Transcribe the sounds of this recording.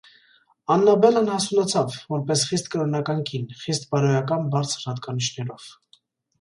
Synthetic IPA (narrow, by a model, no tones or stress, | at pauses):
ɑnːɑbɛlənhɑsunɑt͡sʰɑvvɔɾpɛsχist̪kəɾɔnɑkɑŋkʰinχist̪̚bɑɾɔjɑkɑnbɑɾt͡sʰəɾhɑt̪kɑnit͡ʃʰnɛɾɔv̥